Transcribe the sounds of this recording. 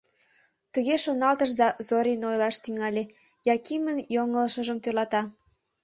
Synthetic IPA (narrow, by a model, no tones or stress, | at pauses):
t̪əɣeʃonɑlt̪əʃzɑzoɾinojlɑʃt̪yŋɑlʲe | jɑkimənjoŋəlʃəʒəmt̪ørlɑt̪ɑ